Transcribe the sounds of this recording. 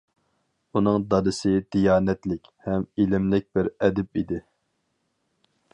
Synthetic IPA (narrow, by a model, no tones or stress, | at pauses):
unɨŋd̪ɑd̪ɨsɪd̪̥ijɑːnɛt̪lɪkʲhɛmilɪmlɪk̚ʲb̥ɪɾɛd̪ɪp̚id̪ɪ